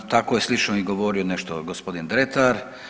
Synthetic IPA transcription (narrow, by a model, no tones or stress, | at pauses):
t̪akojeslit͡ʃnoiɡoʋoːɾioneʃt̪oɡospo̞d̪ind̪ɾet̪aɾ